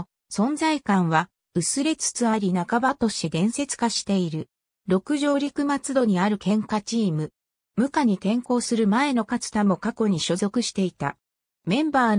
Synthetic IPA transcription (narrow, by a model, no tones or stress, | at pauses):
sõ̞nzaikãɰ̃β̞a | ɯ̟sɨɾe̞t͡sɨ̥t͡sɨβaɾʲinakabat̪o̞ɕt̪e̞d̪ẽ̞ɰ̃se̞t͡sɨ̥kaɕi̥t̪e̞iɾɯ̟ | ɾo̞kɯ̟ʑo̞ːɾʲikɯ̟mat͡sɨd̪o̞ɲ̟iaɾɯ̟kẽ̞ŋkat͡ɕiːmɯ̟ | mɯ̟kaɲ̟it̪ẽ̞ŋko̞ːsɨɾɯ̟mae̞no̞kat͡sɨ̥t̪amo̞kako̞ɲ̟iɕozo̞kɯ̟ɕi̥t̪e̞it̪a̰ | mẽ̞mbaː